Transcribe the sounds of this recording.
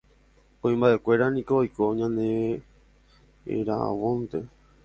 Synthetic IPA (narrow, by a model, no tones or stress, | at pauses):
õĩmbaʔe̞kʷe̞ɾanĩkoːjkoɲãnẽ | ḛɾaʔa̰wõnt̪e